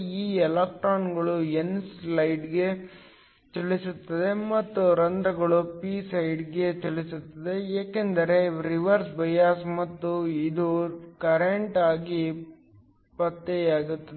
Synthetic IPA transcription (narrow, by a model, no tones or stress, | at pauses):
iːɛlɐk̚ʈɾaːnɡɐɭuenslɐjɖɡe̞ | t͡ʃɐlisut̪ːɐd̪e̞mɐt̪ːuɾɐnd̪ɾɐɡɐɭupiːsɐjɖɡe̞t͡ʃɐɭisut̪ːɐd̪e̞jaːkend̪ɐɾe̞ɾiʋɐɾsbɐjaːsmɐt̪ːuid̪ukɐɾeɳʈaːɡi | pɐt̪ːeaːɡut̪ːɐ